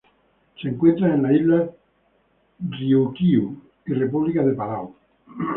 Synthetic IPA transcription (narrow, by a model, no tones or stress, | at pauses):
t͡ʃeŋkwet̪ɾaenlailːa | dɾiokiu | irːepuβlikaðepalaw